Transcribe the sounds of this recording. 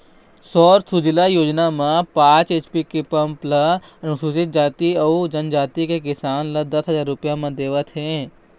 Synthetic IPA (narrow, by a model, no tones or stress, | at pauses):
sɔːɾt̪ʰud͡ʒɪlajoːd͡ʒnamãpãːt͡ʃeːt͡ʃpikepɐ̃mplɐɐnʊsuːsɪt̪̚d͡ʒaːt̪iɐud͡ʒɐnd͡ʒaːt̪ikek̬ɪsaːnlɐd̪ɐsɦɐzaːɾːʊpjãmãd̪eːʋət̪ɦẽː